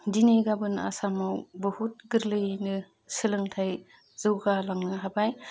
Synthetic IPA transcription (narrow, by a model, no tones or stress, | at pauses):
dineɡabɯna̰samawbɯhut̚ɡɯɾlɯjnɯ | sɯlɯŋtʰaj | z̥ɯwɡalaŋnɯɦabaj